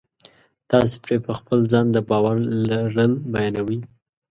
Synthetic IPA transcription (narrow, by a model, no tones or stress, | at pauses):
t̪ɑs̬e̥pɾepəxpəlzɑnd̪əbɑwaɾlaɾəlbajɑnawi